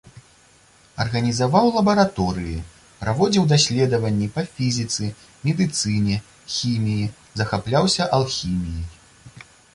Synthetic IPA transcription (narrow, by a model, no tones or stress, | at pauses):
ɐrɣɐnʲizavawlˠɐbɐɾat̪ɔɾɨji | pɾavɔd͡zʲiwd̪asʲlʲɛd̪ɐvɐnʲːipɐfʲizʲit̪sɨ | mʲɛd̪ɨt̪sɨnʲɛ | xʲimʲiji | zɐxaplʲawsʲɐʔɐlˠxʲimʲiji